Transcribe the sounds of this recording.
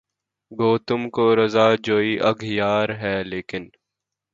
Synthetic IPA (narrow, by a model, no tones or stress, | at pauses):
ɡoːt̪ʊmkoːɾɐzaːd͡ʒoːiːʔɐɡjaːɾɦɛːleːkɪn